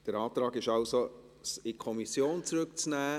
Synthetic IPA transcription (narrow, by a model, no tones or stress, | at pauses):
d̥əɾɑːt̪ɾɑːɡɪʃɑʊso | sɪkʰɔmisjoːnt͡sɾʏkt͡snæː